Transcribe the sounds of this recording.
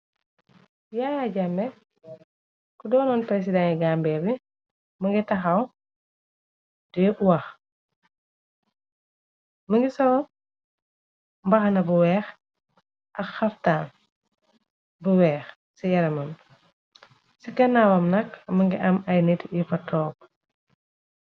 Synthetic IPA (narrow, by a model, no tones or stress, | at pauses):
jajaɟɐmbɛ | kudɔːnɔnpɾɛs̬idaŋiɡambɛːbi | mɐŋɡitɐxɐw | dɛʔuwɐx | mɐŋɡisɔwɐ | mbɐxɐnɐbuwɛːx | ʔɐkxɐftaːn | buwɛːx | sijɐɾɐmɐm | sikɐnaːwɐmnɐkmɐŋɡiʔɐmɐjnitjifɐtʰɔːp̚